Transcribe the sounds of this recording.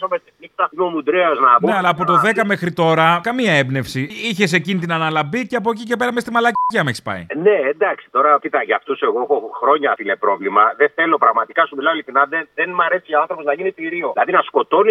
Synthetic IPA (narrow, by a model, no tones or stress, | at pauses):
omest̪inikt̪ɐimomud̪ɾeɐznɐoneɐlɐːp̬o̞t̪o̞ðe̞kɐmexɾit̪o̞ɾɐkɐmiɐebne̞fsiiçe̞s̬e̞cinit̪inɐnɐlɐbiceɐp̬oc̬ice̞pe̞ɾɐmst̪imɐlɐcɐmeçsi̥pɐ̰ḭne̞ːnd̪ɐksi̥t̪o̞ɾɐcit̪ɐʝɐft̪use̞ɣoexoxɾo̞ɲɐt̪ilnepɾo̞vlimɐðeθe̞lo̞pɾɐɣmɐt̪ikɐsumilɐoliθinɐðeðenmɐɾe̞siʝɐoanθɾo̞po̞znɐʝinit̪iɾio̞lɐðinɐsko̞t̪o̞ni